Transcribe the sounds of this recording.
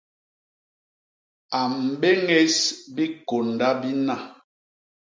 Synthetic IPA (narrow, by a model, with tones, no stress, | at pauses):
a˨m̩˨be˦ŋe˦sbi˦ko˨nda˦bi˦na˦˨